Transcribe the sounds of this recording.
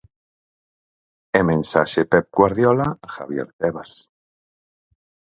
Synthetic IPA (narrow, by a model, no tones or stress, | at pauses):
emẽnsaʃepep̚ɡwaɾðjolaxaβjḛɾt̪eβas